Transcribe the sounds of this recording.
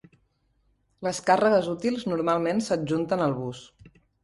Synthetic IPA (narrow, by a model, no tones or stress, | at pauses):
ləskarəɣ̞əzut̪ilˠznuɾmalˠmensəʒunt̪ənəlˠβus